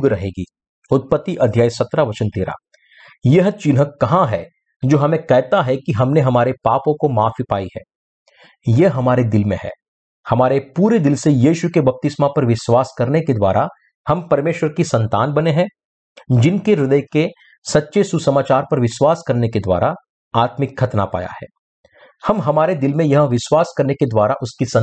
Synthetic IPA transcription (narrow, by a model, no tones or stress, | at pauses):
ɡɾɐɦeːɡiː | ʊt̪̚pət̪ːiʔɐd̪ʱjaːjsɐt̪ɾaʋɐt͡ʃənt̪eːɾa̰ː | jɐɦt͡ʃɪnɦəkɐɦãɦɛ | d͡ʒoːɦɐmẽkɛɦt̪aɦɛkiɦɐmneɦɐmaːɾepaːpõkomaːfipa̰ːiɦɛ̰̃ː | jeɦɐmaːɾed̪ɪlmḛ̃ɦɛ̰ː | hɐmaːɾepuːɾed̪ɪlsejiːʃukebɐp̚t̪ɪsmapɐɾʋɪʃwaːskɐɾneked̪wa̰ːɾa | hɐmpɐɾmeːʃwəɾkisɐ̃nt̪aːnbɐneɦɛ̃ː | d͡ʒɪnkeɾɪd̪əjke | sɐtːʃesusɐmaːt͡ʃaːɾpɐɾʋɪʃwaːskɐɾneked̪wa̰ːɾa | aːt̪mɪkʰːɐt̪na̰pa̰ːja̰hɛ̰ː | hɐmɦɐmaːɾed̪ɪlmẽjɐɦãʋɪʃwaːskɐɾneked̪waːɾaʔʊskisɐ̃